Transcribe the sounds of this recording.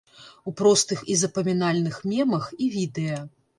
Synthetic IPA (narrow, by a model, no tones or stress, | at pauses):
upɾɔst̪ɨxizɐpɐmʲinalʲnɨxmʲɛmɐxivʲid̪ɛjɐ